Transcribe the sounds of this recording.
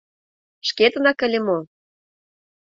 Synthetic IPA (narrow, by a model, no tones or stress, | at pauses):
ʃket̪ə̆nɑkə̆lʲĕmo